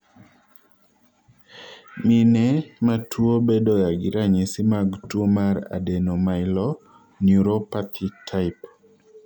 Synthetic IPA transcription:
minɛmatʰuobedojaɡɪɾaɲesimaɡtwomaɾa̰denomaɪlɔ | njuɾopat̪ʰitʰaɪp

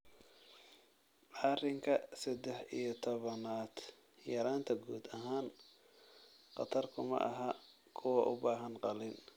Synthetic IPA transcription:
ʕɑrɪŋkʰɐsɛd̪ɛħḭjɞt̪ʰɔβɐnaːd̪̥ | jɐɾaːnt̪ʰɐɡuːd̪ɐɦaːn | qɑt̪ʰɐrkʰʊmɐ̰ʔɐɦɐ | kʰʊwɐʔʊ̰baːɦɐnqɑlɪn

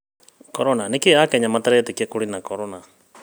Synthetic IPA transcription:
kɔɾɔnanikeakɛɲamat̪aɾɛɛt̪ɛkiɛkuɽinakɔɾɔna

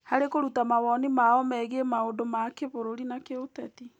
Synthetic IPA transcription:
haɾekoɾutamawɔnimaɔmɛɣemaodomakeβoɾoɾinakeotɛti

